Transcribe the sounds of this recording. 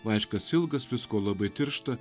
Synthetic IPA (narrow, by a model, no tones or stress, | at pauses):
ʋɑɪʃkɐsɪlˠɡɐsʋʲɪskoːlˠɐbɐɪt̪ʲɪɾʃt̪ɐ